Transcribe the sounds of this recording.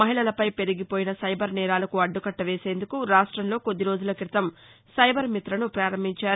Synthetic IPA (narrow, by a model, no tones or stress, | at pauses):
mɐɦiɭɐlɐpɐjpe̞ɾiɡipo̞ːjinɐsɐjbɐɾnɛːɾaːlɐkuɐɖːukɐʈːɐʋe̞ːse̞ːnd̪ukuɾaːʂʈɾɐmlo̞ːko̞d̪ːiɾo̞ːd͡ʒulɐkɾit̪ɐm | sɐjbɐɾmit̪ɾɐnupɾaːɾɐmːiɲt͡ʃaː